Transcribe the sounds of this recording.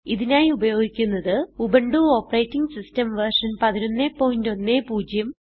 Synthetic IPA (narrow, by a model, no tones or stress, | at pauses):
iðinaːjiubɐjo̞ːɡikʲːunːɐðɨubɐɳɖuːo̞ːpːɐrejtːiŋɡsistɐmʋɐrʂɐnpɐðino̞nːe̞ːpːo̞ːjindo̞nːe̞ːpuːd͡ʑjɐm